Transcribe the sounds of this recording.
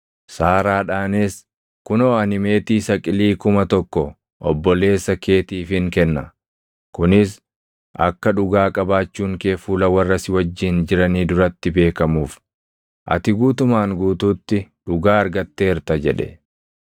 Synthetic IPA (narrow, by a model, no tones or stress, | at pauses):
saːɾaːᶑaːneːs | kʊnoːɐnɪme̞ːt̪iːsɐkʼɪliːkʊmɐt̪ɔkːɔ | ʔɔbːɔle̞ːsːɐkʰe̞ːt̪iːfɪŋkɛnːɐ | kʊnɪs | ʔɐ̰kːɐᶑʊɡaːkʼɐbaːt͡ʃːuːŋke̞ːfuːlɐwɐrːɐsɪwɐd͡ʒːɪnd͡ʒɪɾɐniːd̪ʊɾɐt̪ːɪbe̞ːkɐmuːf | ʔɐ̰t̪ɪɡuːt̪ʊmaːŋɡuːt̪uːt̪ːɪᶑʊɡaːɐɾɡɐt̪ːe̞ːɪɾt̪ɐd͡ʒɛᶑɛ̰